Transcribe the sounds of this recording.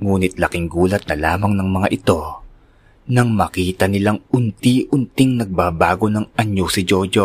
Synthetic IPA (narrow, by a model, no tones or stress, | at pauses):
ŋuːnɪt̪lɐkɪŋɡuːlɐt̪̚nɐlaːmɐŋnɐŋmɐŋa̰ʔɪt̪o̞ | nɐŋmɐkiːt̪ɐnɪlaŋʊnt̪iʔʊnt̪ɪŋnɐɡ̚baːbaːɡo̞nɐŋʔɐɲosɪd͡ʒod͡ʒo